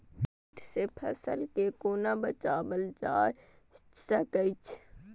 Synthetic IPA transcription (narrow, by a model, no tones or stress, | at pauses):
ʈ̪ʰsepʰəsəlkekoːnabət͡ʃaːbəld͡ʒaːj | t͡ʃsəkəit͡ʃʰ